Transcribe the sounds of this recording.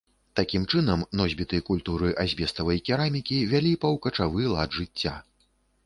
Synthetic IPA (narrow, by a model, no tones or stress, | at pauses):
t̪akʲimt͡ʂɨnɐmnɔzʲbʲit̪ɨjɐkulʲt̪uɾɨʔazʲbʲɛst̪ɐvɐjkʲɛɾamʲikʲivʲalʲipɐwkɐt͡ʂavɨlˠad̪ʐɨt͡sʲːa̰